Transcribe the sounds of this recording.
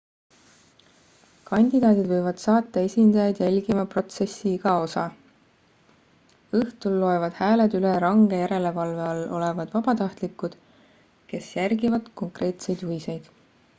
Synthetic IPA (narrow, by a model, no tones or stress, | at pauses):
kɑnʲd̪̥ʲid̪ɑːd̪id̪̥vɤjvɑd̪̥sɑːt̪ːˑɑe̞sʲind̪̥ɑjɑjd̪̥jælʲɡ̥imɑpro̞t̪se̞sːiiɡ̥ɑo̞sɑ | ɤht̪ulːo̞e̞vɑd̪̥hæːle̞d̪yleɾɑŋɡ̥e̞jæɾe̞le̞vɑlve̞ɑlːo̞̰le̞vɑd̪̥vɑb̥ɑt̪ɑht̪likːˑud̪̥ | ke̞sjærɡivɑd̪̥ko̞ŋkre̞ːt̪se̞jd̪̥huvise̞jd̪̥